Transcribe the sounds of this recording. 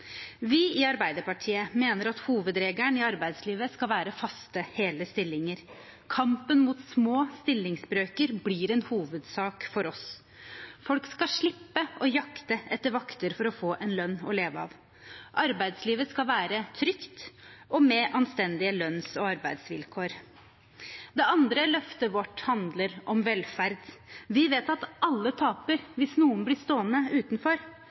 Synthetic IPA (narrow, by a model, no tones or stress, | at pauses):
ʋɪɪɑɾbæɪd̪əpɑʈʰiːəmeːnəɾɑt̪huːʋəd̪ɾeːɡæɳɪɑɾbæɪd̪sliːʋəskɑlʋæːɾəfɑst̪əheːləst̪ɪlːɪŋəɾ | kʰɑmpənmut̪smoːst̪ɪlːɪŋsbɾøːkəɾbliːɾɛnhuːʋəd̪sɑːkfɔɾɔs | fɔlkskɑʂɭɪpːəʔɔjɑkt̪əɛt̪ːəɾʋɑkt̪əɾfɔɾɔfoːʔɛnlœnːɔ̰leːʋəɑ̰ːʋ | ʔɑɾbæɪd̪sliːʋəskɑʋæːɾət̪ʰɾʏkt̪ʔɔmɛʔɑnst̪ɛnd̪ɪəlœnsɔɑɾbæɪd̪sʋɪlkʰoːɾ | d̪ɛɑnd̪ɾəlœft̪əʋɔʈːhɑnd̪ləɾʔɔmʋɛlfæɾd̪ʋɪʋeːt̪ɑt̪ʔɑlːət̪ʰɑːpəɾʋɪsnuːənblɪst̪oːənəʉːt̪nfɔɾ